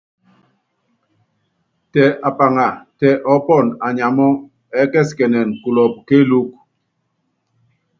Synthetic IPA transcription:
tɛ˨ʔa˨pa˨ŋa˨tɛ˨ʔɔ˦pɔ˦˨na˨ɲa˨mɔ˦ | ɛ˨˦kɛ˦˨skɛ˨nɛ˨nku˨lɔ˨p̚ke˦lu˦k̚

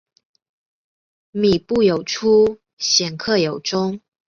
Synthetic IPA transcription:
mi˨˩pu˥˩jo˨˩ʊʈ͡ʂʰu˥ | ɕjɛ˨˩nkʰɤ˥˩jo˨˩ʊʈ͡ʂʊ˥ŋ

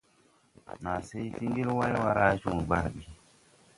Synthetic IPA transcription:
ma˨se˦jti˦ŋɡi˦lwa˦jwa˦ɾa˦t͡ʃu˨ŋ˨ɡ͡ba˨ɾɓi˨

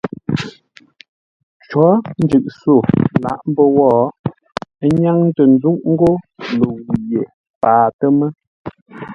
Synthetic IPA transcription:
t͡ʃɔ˨˦n̩˦d͡ʒʉ˨ʔso˦˨la̰˨˦ʔm˦bə˦wɔː˦˨˦ | ɲa˦ŋ˦tə˨n˨˦d͡zu˦ʔŋ̩˦ɡo˦lo˨wu˨je˨ | paː˨tə˦mə˦

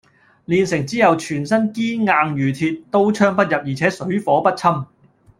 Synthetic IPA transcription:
liː˨˧nsɪ˨˩ŋt͡siː˥jɐ˨wt͡ʃʰyː˨˩nsɐ˥nkiː˥ŋaː˧ŋjyː˨˩t̪ʰiː˧t̚t̪o˥wt͡ʃʰœː˥ŋpɐ˥t̚jɐ˨p̚jiː˨˩t͡sʰɛː˨˥sɵ˨˥ɥfɔː˨˥pɐ˥t̚t͡sʰɐ˥m

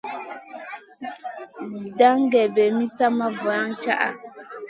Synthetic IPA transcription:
da˦ŋ˦ɡɛ˨bɛ˨mi˦sa˦ma˦vɔ˨a˦ŋt͡ʃa˦ʔa̰˨

